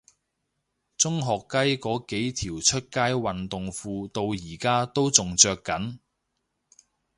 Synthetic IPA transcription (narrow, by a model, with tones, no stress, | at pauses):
t͡sʊ˥ŋɦɔː˨˩kːɐ˥jkɔː˨˥ke˨˥jt̪ʰiː˨˩wt͡ʃʰɵ˥t̚kaː˥jwɐ˨nt̪ʊ˨ŋfuː˧t̪o˧wjiː˨˩kaː˥t̪o˥wt͡sʊ˨ŋt͡sœː˧kːɐ˨˥n